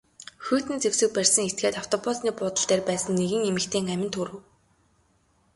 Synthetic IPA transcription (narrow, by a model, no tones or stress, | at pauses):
xuːt̪ɘ̆nt͡sewsɘ̆k̚pærʲsə̆ŋet̪̚ɡeːt̪aw̥t̪ʰɔpʊsniːpʊːt̪ə̆ɬɮt̪eːrpæːsə̆nːeɣɘ̆ŋemɘ̆kt̪ʰeːŋæmʲɪ̆nt̪ʰuɾɘ̆w